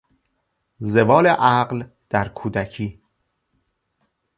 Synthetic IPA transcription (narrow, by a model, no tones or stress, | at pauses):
ze̞vɒːleʔæɢl | d̪̥æɾkʰuːd̪æcʰiː